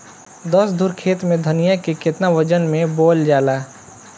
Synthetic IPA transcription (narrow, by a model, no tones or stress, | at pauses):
d̪əsd̪ʱʊɾkʰeːt̪mẽd̪ʱənijakekɪt̪naʋəd͡ʒənmẽboːld͡ʒaːlaː